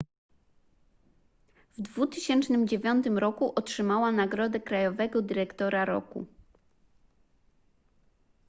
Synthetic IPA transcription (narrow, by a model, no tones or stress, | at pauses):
vd̪vut̪ɘɕɛnt͡ʂnɘmd͡ʑevʲjɔnt̪ɘmɾɔkuʔɔtʂɘmawanaɡɾɔd̪ɛkɾajɔvɛɡɔd̪ɘɾɛkt̪ɔɾaɾɔ̰kṵ